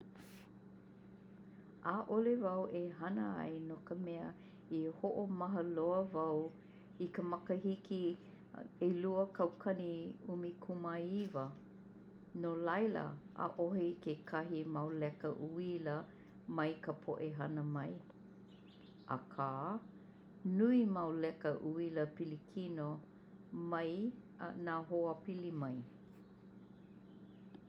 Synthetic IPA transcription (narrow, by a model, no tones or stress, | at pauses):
ʔaʔolevɐwʔeɦɐnə̰ɐ̰jnokəmɛə | ihoʔomɐɦəloəvɐw | ikəmɐkəɦiki | eluəkʰɐwkʰɐniumikʰumaivə | nolɐjlə̰ʔə̰ʔoɦikekʰɐɦimɐwlɛkəʔuilə | mɐjkəpʰoʔeɦɐnəmɐj | ʔa̰kʰaː | nuimɐwlɛkəʔuiləpilikʰino | mɐj | naːɦoəpilimɐj